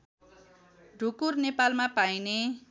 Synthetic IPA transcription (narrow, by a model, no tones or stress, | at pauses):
ɖʱukurnepalmapajne